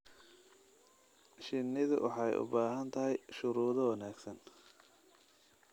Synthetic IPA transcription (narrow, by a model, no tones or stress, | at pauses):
ʃɪnːɪðʊwʔɑ̰ħɑjʔʊ̰baːɦɐnt̪ʰɐɦɛjʃʊɾuːðɐwɐnaːɡsɐn